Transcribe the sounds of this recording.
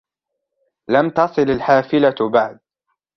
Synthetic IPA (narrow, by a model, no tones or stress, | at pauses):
lamt̪ɑsˤɨlalħaːfɪlabaʕd̪̚